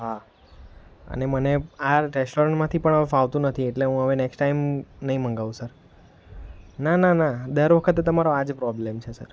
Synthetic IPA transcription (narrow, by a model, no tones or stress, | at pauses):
ɦa | ə̰neməneaɾesʈoɾə̃ɳʈmãt̪ʰipəɳəʋefaʋt̪ũnət̪ʰieʈleɦũəʋeneksʈːaimnəɦĩmə̃ŋɡaʋũsəɾ | nananad̪əɾʋəkʰət̪et̪əmaɾoad͡ʒpɾɔblemt͡ʃʰesə̰ɾ